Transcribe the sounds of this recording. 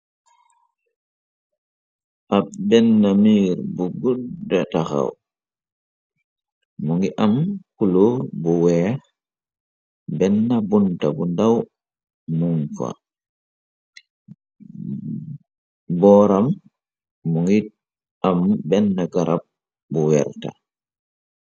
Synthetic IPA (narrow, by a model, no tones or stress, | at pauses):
ʔabɛnːamiːɾbuɡudɛtaxa̰w | muŋɡiʔamkulobuwɛ | bɛnːabuntabundaw | mumfa̰ | bɔɾamː | uŋɡi | ʔambɛnːaɡaɾʔab̚ | buwɛ̰ɾta̰